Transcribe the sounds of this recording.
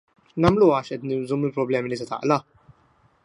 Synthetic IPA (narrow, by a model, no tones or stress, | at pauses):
nɐmluːɐːʃʔɛt̪nɪzumɪlpɾɔblɛːmilit̪ɐt̪ɐ̰ʔlɐ